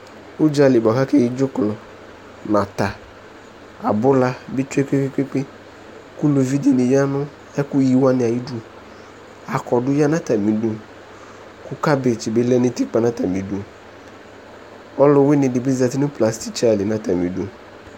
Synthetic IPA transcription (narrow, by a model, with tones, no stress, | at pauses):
ʊ˦d͡ʒa˦lɪ˨ba˨ka˦ke˦˨ji˦d͡ʒʊ˦klɔ˨ | na˨t̪a˨ | a˨bʊ˦la˦bɪ˦t͡ʃu˦e˦ke˦kɪ˦ke˦k͡pɪ˦ | ku˦lo˨vi˦di˨nɪ̃˨ja˦nʊ̃˦ | ɛ˦kʊ˦ji˦wa˦nɪ̃˨a˨ji˦du˦ | a˨kɔ˨dʊ˦ja˦nã˦ta˨mĩ˨do˨ | kʊ˦ka˦be˨t͡ʃɪ˨be˦lɛ˦nɪ̃˦ti˦k͡pa˨nã˦ta˨mĩ˨du˨ | ɔ˦lʊ˨wɪ˦nɪ̃˨dɪ˨bi˦za˨ti˦nʊ̃˦pla˨sti˦t͡ʃa˨lɪ˨nã˦ta˨mĩ˨du˨